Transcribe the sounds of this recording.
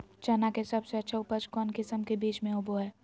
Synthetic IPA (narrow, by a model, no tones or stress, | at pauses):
t͡ʃaːnakesɐbseɐtːʃʰaʊpət͡ʃkɔːnkɪsəmkebiːt͡ʃmẽʊboɦɛː